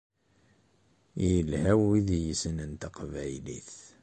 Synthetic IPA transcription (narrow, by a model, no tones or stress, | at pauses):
jəlhæwiðjəsənənt̪aqvæjliθ